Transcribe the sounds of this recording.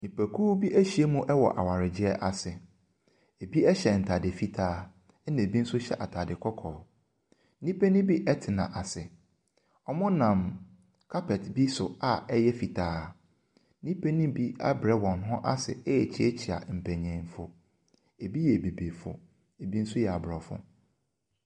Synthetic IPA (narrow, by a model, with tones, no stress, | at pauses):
nĩ˨pæ˨kʰuː˦bi˦ʔæ˦ɕi˦e˦mũ˦ʔɛ˦wɔ̰˨ʔa̰˨wa˨ɾɪ˨d͡ʑɪ˦ɛ˦ʔa˨sɪ˨ | e˨bi˦ɛ˦ɕɛ˨n̩˨tʰa˨dɪ˨fi˦tʰaː˦ | nã˨bi˦n̩˦sʊ˦ɕɛ̰˦˨ʔa˨tʰa˨dɪ˨kʰɔ˦kʰɔː˨ | nĩ˦pʰe˦nĩ˦bi˦ʔɛ˦tʰɪ˨nã˨ʔa˨sɪ˨ | ɔ˦mʊ̃˦nã˨m | kʰa˦pʰɛ˨tbi˦sʊ˨a˨ɛ˦jɛ˦fi˨tʰaː˦ | nĩ˦pʰe˦nĩ˦bi˦a̰˦bɾɛ˦wɔ̃˨nɦʊ̃˦ʔa˦sɪ̰˨ɛ˦jɛ˨t͡ɕʰɪ˦ɛ˦t͡ɕʰi˨a̰˨m̩˨pʰæ̃˨ɲɛ̃˨nfʊ˦ | e˨bi˦jɛ˨be˨be˨fʊ̰˨ | e˨bi˦n̩˦sʊ˦jɛ˨a˨bʊ˨ɾɔ˨fʊ̰̃˦